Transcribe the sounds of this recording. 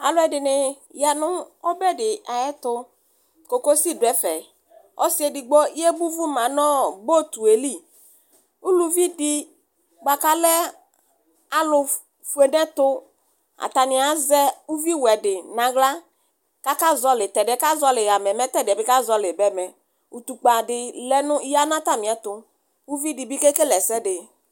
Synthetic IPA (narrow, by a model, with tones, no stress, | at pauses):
a˨lʊ˦ɛ˨dɪ˨nɪ˨ | ja˨nʊ˦ɔ˦bɛ˦dɪ˨a˨jɛ˦t̪ʊ˦ | ko˨ko˦si˦˨dɛ˨fɛ˨ | ɔ̰˦si˦e˨dɪ˨ɡ͡bɔ˦i˦ɛ˦bu˦vu˦mã˨nɔ˦bo˦t̪u˨e˨li˦˨ | u˦lu˨vi˦dɪ˦ | ɡ͡ba˨ka˦lɛ˦ | a˨lʊ˨ | fu˨e˨ɖɛ̃˦t̪ʊ˦ | a̰˨t̪a˨nɪ̃˨a˨˦zɛ˦u˦vi˦wɛ˨dɪ˨nã˨ɡla˦ | ka˦ka˦zɔ˦lɪ˨t̪ɛ˨dɪ˨ɛ˨˦ka˦zɔ˦lɪ˨ja˨mɛ˨mɛ˦t̪ɛ˦˨dɪ˨ɛ˨bɪ˨˦ka˦zɔ˦lɪ˨bɛ˨˦mɛ˨ | u˨t̪u˨k͡pa˨dɪ˨lɛ˦nʊ˦ja˦nã˦t̪a˦mɪ̃˨ɛ˨t̪ʊ˨ | u˦vi˦dɪ˨bi˦ke˦ke˦lɛ˨sɛ˦dɪ˨